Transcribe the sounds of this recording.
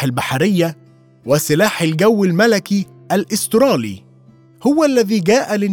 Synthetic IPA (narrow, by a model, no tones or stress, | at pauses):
ɪlbaħaɾɪjːa | wɪsɪlaːħɪlɡawːɪlmælaki | ʔælʔɪst̪ɾɑːlḭː | hʊwælːæðiːɡæːʔælɪn